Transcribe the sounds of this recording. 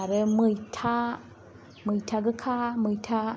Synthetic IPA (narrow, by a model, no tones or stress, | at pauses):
aɾeməjtʰa | məjtʰaɡəkʰaməjtʰa